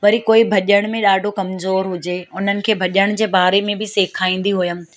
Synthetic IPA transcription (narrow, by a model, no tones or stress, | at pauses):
ʋɐɾikoːibʱɐʄəɽ̃mẽɗaːɖʱokɐmzoːɾɦʊd͡ʑeːʊn̤ənɪ̆kʰeːbʱɐʄəɽ̃d͡ʑeːbaːɾemẽbɪseːkʰaːĩːn̆d̪iɦʊjəm̆